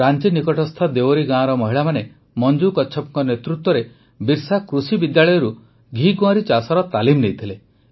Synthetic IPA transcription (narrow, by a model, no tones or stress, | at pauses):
ɾant͡ʃinikɔʈɔst̪ʰad̪ewoɾiɡãːɔɾɔmɔɦiɭamane | mɔnd͡ʒukɔtːt͡ʃʰɔpɔŋkɔnet̪ɾut̪wɔɾe | biɾsakɾusibid̪jaɭɔjɔɾu | ɡʱiɡuaɾit͡ʃasaɾɔt̪alimnejt̪ʰile